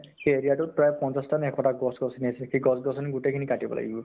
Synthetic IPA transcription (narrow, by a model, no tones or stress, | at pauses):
xeeɹijatut̚pɹajpɔnsastanɛkʰɔtakɡɔsɡɔsiniasɛxeɡɔsɡɔsɔniɡutekʰinikatibɔ̰la̰ɡḭbɔ